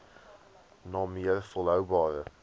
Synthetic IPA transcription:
nɑːmiərfəlˠɦœwbɑːrə

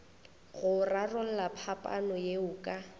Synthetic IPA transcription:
ɣʊrarɔlapʰapʼa̰nɔjeʊːkʼa

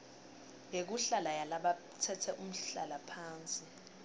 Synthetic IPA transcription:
jek̬uɬalajalaɓa | tʰɛtʰɛʔum̩ɬa̰lapʰaːnt͡sʼi

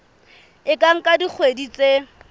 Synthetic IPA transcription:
ɪkʼaŋ̩kʼadik͡xʰwedit͡sʼe

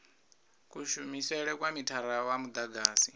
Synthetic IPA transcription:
kʼuʃumisɛɺɛkwamitʰaɾawamud̪aɡaːsi

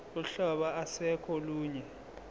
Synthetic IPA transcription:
uɬɔɓaasɛkʰɔluːɲɛ

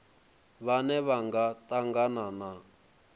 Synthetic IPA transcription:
βanɛβaŋɡatʼaŋɡanana

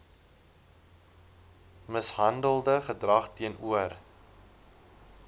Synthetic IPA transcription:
məsɦɐndəlˠdəχədrɐχtiənuər

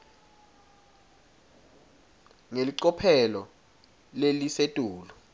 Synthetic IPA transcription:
ŋeliǀɔpʰɛlɔ | lelisetʼuːlu

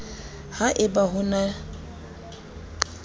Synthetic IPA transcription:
haʔɪbaɦʊna

